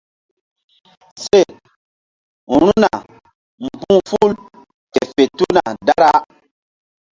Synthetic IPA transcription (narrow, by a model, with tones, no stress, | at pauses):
se˦˨ | u˨ɾuu˦na˨ | m̩˨pũ˦fu˦l | te˨fe˨tu˦na˨da˦ɾa˦